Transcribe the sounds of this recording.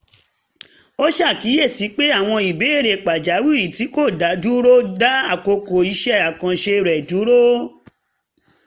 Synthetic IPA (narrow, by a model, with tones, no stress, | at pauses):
o˦ʃa˦˨ki˨˦je˦˨si˨˦k͡pe˦a˦˨w̃ɔ̃˧i˨be˨˦e˦˨ɾe˨k͡pa˨d͡ʒa˨˦wi˦˨ɾi˨ti˨˦ko˦˨da˨˦du˦ɾo˦da˦a˦˨ko˧ko˨i˧ʃɛ˦a˨kã˨ʃe˧ɾɛ˨du˨˦ɾo˦